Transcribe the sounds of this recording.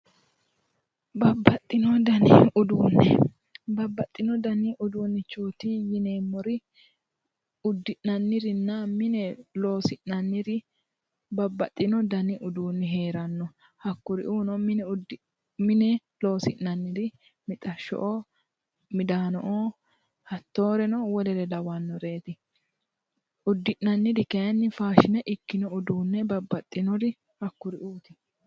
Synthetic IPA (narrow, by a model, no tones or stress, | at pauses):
bɐbːɐt̪ʼːɪnɔd̪ɐnɪ̰ʊd̪uːnːɛ̰ | bɐbːɐt̪ʼːɪnɔd̪ɐnɪʔʊd̪uːnːɛt͡ʃoːt̪ijɪneːmːɔɾɪ | ʊd̪ːɪʔnɐnːɪɾɪnːɐmɪnɛlo̞ːsɪʔnɐnːɪɾɪ | bɐbːɐt̪ʼːɪnɔd̪ɐnɪʔʊd̪uːnːɛɦe̞ːɾɐnːɔ | hɐkːʊɾɪ̰ʔuːnɔmɪnɛʊd̪ | mɪnɛ | lo̞ːsɪʔnɐnːɪdɪ | mɪt̪ʼɐʃːɔ̰ʔɔ | mɪd̪aːnɔʔoː | hɐt̪ːo̞ːɾɛnɔwɔlɛɾɛd̪ɐwɐnːɔɾe̞ːt̪ɪ | ʊd̪ːɪʔnɐnːɪd̪ɪkɛjɐnːɪfaːʃɪnɛʔɪkːɪnɔʊd̪uːnːɛbɐbːɐt̪ʼːɪnɔd̪ɪ | hɐkːʊɾɪʔuːt̪ɪ̥